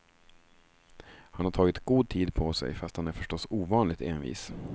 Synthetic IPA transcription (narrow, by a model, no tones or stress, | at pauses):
hanhaʈʰɑːɡɪt̪ɡ̥uːd̪̚t̪ʰiːd̪pʰɔsɛ̰jfast̪hanæɾfœʂʈɔsuːvɑːnlɪɡt̪eːnvḭːs